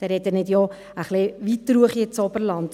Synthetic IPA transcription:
d̥ɛɾɛt̪ənɪdjɔ | əχlɪʋit̪ːɾuəχiɪt͡sɔbəɾlɑnd̥

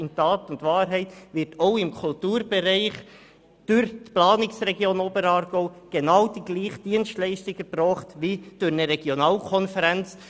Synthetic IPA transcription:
ɪntɑːtʊntʋɑːɾɦɛɪtʋɪɾtʰoʊɪmkʰʊltuːɾb̥ɛɾɛɪχ | d̥ʊɾtplɑːnɪksrɛɡjoːnoːbəɾɑːɾɡ̥oʊɡ̥enɑwd̥iɡ̥liːχd̥iənstlɛɪʃtɪɡ̥əpɾɔːχtʋid̥ʊɾnəɾɛɡ̥jonɑːlkʰɔnfəɾɛnt͡s

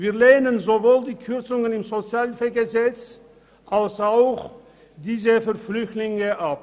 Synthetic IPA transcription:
viːɐleːnənzovoːldiːkʰʏʁt͡sʊŋənɪmzot͡sjaːlfɛɡəzɛt͡s | ʔalsaʊx | d̥iːzəfɛɐflʏçtlɪŋəʔap

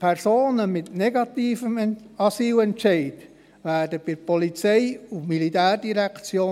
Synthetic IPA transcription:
pʰɛɾsoːnəmɪt̪nɛɡɑt̪iːfəm | ɑsiːwɛntt͡ʃɛɪt | ʋæːrdəb̥ɪɾpɔlit͡sɛɪumilit̪æːrdiɾækt͡sjoː

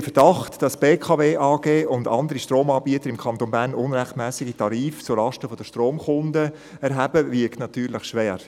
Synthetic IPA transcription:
fəd̥ɑχtd̥ɑsb̥eːkʰɑveːʔɑːɡ̥eːʊndɑ̰nd̪əɾiʃtroːmɑːbiət̪əɾɪmkʰɑnt̪onbæːnʊnɾɛχtmɛːsɪɡitɑɾiːft͡sulɑʃtəfɔd̥əʃtroːmχʊndə | ɛɾɦæbəvɪɐktnɑt̪yːɾlɪχʃʋɛːɾ

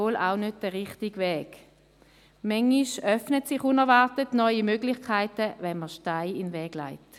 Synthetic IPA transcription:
oːla̰ʊnød̚d̥əʁɪχtiɡvɛːɡ̥ | mɛŋːiʃœfnətsɪχunɛɐvaɐtətnɔʏimøːɡlɪχkʰaɪtəvɛnməʃtaɪɪnvɛːɡ̥la̰ɪt

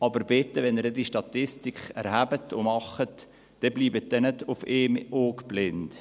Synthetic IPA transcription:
ɑbəɾbɪt̪ːəʋɛnəɾdɛdiʃtɑt̪ɪstikχæ̰ɾhæbət̪ʰomɑχət̪ | d̥ɛbliːbət̚d̪ɛnəd̪ʊfeːmoːkb̥lɪnt̪

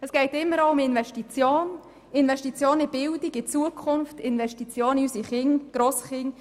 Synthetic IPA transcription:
əsɡ̥ɛɪtɪmːəɾoʊmɪnvɛʃtit͡sjoːn | ɪnvɛʃtit͡sjoːnɪb̥ɪldɪɡɪt͡suəkʰʊnftɪnʋɛʃtit͡sjoːnysiχɪŋɡ̥ɾoːsχɪŋ

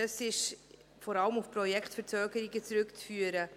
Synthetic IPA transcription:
ɑsɪʃ | fɔɾɑləmufpɾɔjɛkχtfɛɾt͡søːɡəɾiɡət͡sɾʏkt͡sfyːəɾə

